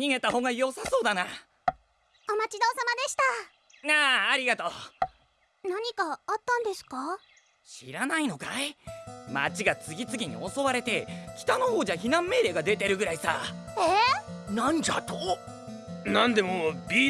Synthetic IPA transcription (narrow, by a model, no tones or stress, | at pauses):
ɲ̟iŋe̞t̪aho̞ːŋɡajo̞saso̞ːd̪ana | omat͡ɕid̪oːsamad̪e̞ɕi̥t̪a | naːɾʲiɡat̪o̞ː | naɲ̟ikaːt̪ːãnd̪e̞sɨ̥ka | ɕḭɾanaino̞kaimat͡ɕiɡat͡sɨɡʲit͡sɨɡʲiɲ̟ḭo̞so̞βaɾe̞t̪e̞kʲi̥t̪ano̞ho̞ːd͡ʑaçinãmːe̞ːɾe̞ːɡad̪e̞t̪e̞ɾɯ̟ɡɯ̟ɾaisa̰enãɲ̟d͡ʑat̪o | nãnd̪e̞mobʲi